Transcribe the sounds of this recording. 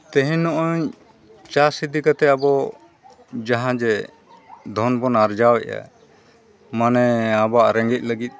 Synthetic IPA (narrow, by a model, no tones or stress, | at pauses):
t̪ɛɦɛ̃nɔʔɔɲ | t͡ʃaɾsid̪ikat̪ɛabɔ | d͡ʒaɦãd͡ʒɛ | d̪ʱɔnbɔnaɾd͡ʒawɛʔa̰ | manɛabaʔɾɛŋɡɛc̪̚ˀləɡit̪̚